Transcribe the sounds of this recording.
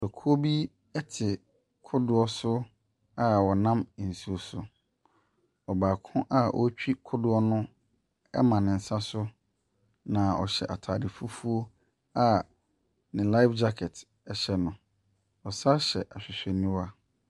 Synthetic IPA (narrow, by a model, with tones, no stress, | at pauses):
ɔ˨kʰu˦o˦bi˦ | ɛ˦tʰɪ˨ | kʰʊ˦dʊ˨ɔ˦sʊ˦ | a˦wɔ˨nã˦m˨n̩˨su˨o˨sʊ˨ | ɔ˨baː˨kʰʊ̃˦ʔa˦ʔɔ̰˦t͡ɕᶣi˦kʰʊ˦dʊ˦ɔ˦nʊ̃˦ | ɛ̰˦mã˨nɪ̃˨n̩˨sa˦sʊ˦ | nã˨ɔ̰˨ɕɛ̰˨ʔa˨tʰaː˨di˨fu˦fu˦o˦ | a˦ | nɪ̃˨la˦ɪ˦fd͡ʑa˦kʰɛ˨t | ɛ˨ɕɛ˨nʊ̃˨ | ɔ˨sa˦ɕɛ˨ʔa˨ɕᶣɪ˨ɕᶣɛ˨nĩ˦wa˦